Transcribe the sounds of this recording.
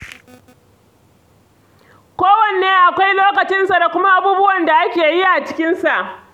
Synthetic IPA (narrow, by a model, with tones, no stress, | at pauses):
kʷoː˦wɐ˨n˨eː˦ʔa˨kʷa˦jloː˦kɐ˨t͡ʃɪ˦nsa˨da˨kʷʊ˦ma˦ʔa˦buː˦bʊ˦wɐ˨nda˨ʔa˦kʲeː˨ji˦ʔa˨t͡ʃɪ̥˦kʲɪ˦nsa˨ʔ